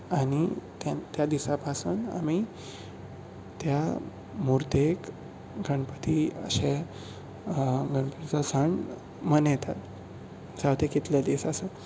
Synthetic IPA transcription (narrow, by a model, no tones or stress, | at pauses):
aɽ̃it̪at̪jad̪isapasuːna̰mi | t̪ja | muɾt̪ek | ɡʱəɳpət̪iə̰ɕe | ɡʱəɳpət̪it͡sasəɳ | mənjɛt̪ʰat̪ | sawt̪ʰekit̪ljad̪esasə